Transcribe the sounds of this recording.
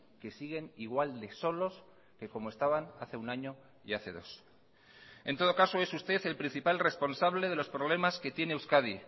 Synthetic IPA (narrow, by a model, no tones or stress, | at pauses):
ke̞siɣ̞e̞niɣ̞wald̪e̞so̞lo̞s | ke̞ko̞moe̞st̪aβanaθe̞unaɲo̞ | iaθe̞̰ðo̞̰s | e̞nt̪o̞ð̞o̞kaso̞e̞sust̪e̞θe̞lpɾin̟θipalre̞spo̞nsaβle̞ð̞e̞lo̞spɾo̞β̞le̞maske̞t̪je̞ne̞ːwskaði